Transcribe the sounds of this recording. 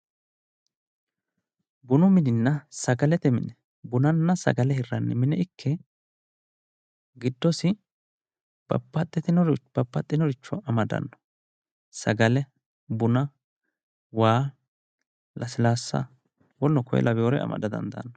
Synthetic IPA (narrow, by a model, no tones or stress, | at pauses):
bʊnʊmɪd̪ɪnːɐsɐɡɐlɛt̪ɛmɪ̰nɛ | bʊnɐnːɐsɐ̰ɡɐlɛhɪrːɐnːɛmɪnɛɪkʰːɛ | ɡɪd̪ːɔsɪ | b̥ɐ̰pːɐt̪ʼːɪt̪ɪnɔɾb̥ɐpːɐt̪ʼːɪnɔɾɪt͡ʃːɔɐmɐd̪ɐ̰nːɔ̥ | sɐɡɐlɛ | bʊnɐ | waː | lɐsɪlaːsːɐ̰ | wɔlːɔkɔjɛ̰lʔɐbɪjoːɾɛɐ̰mɐ̰d̪ɐd̪ɐ̰nd̪ɐ̰nːɔ